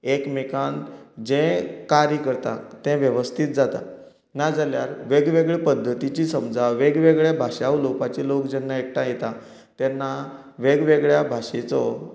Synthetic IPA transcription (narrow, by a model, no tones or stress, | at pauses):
ekmekãnt̪d͡ʑẽkaɾjəkəɾt̪a̰t̪ɛ̃ʋjəʋəst̪ʰiːt̪̚d͡zat̪a̰ | nad͡zaljaɾʋeɡʋeɡɭepəd̪ʱːət̪it͡ɕisəmd͡zʱaʋeɡʋeɡɭjabʱaʂeawlopat͡ɕelokd͡ʑɛnːaek̚ʈãjet̪a | t̪ɛnːa | ʋeɡʋeɡɭjabʱaʂet͡sɔ